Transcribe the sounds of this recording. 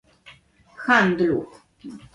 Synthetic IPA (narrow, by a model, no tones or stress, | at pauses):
xand̪luk